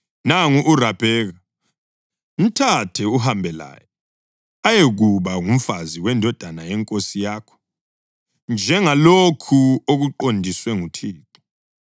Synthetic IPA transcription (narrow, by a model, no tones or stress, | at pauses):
naŋuʔːrab̥ʱɛːɣa | m̩tʰatʰɛuɦambʱɛla̰jɛ | ajeɣuβaŋum̩faziwɛndʱɔd̥ʱanajɛŋkʼosijaːkʰɔ̥ | nd͡ʒʱɛŋalokʰuoɣuǃondʱiswɛŋutʰiːǃɔ̥